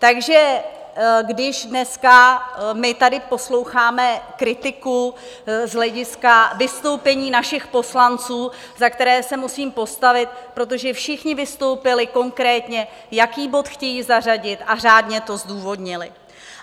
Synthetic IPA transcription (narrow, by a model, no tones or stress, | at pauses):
t̪aɡʒɛ | ɡdɪʒdnɛskamɪt̪adɪpo̞slo̞wxaːmɛkɾɪt̪ɪku | zɦlɛɟɪskavɪst̪o̞wpɛɲiːnaʃɪxpo̞slant͡suː | zakt̪ɛɾɛːsɛmusiːmpo̞st̪avɪt̪̚pɾo̞t̪̬o̞ʒɛfʃɪxɲɪvɪst̪o̞wpɪlɪko̞ŋkɾɛːt̪ɲɛ | jakiːbo̞t̪xcɛjiːzar̝aɟɪt̪ʔar̝aːdɲɛt̪o̞zduːvo̞dɲɪlɪ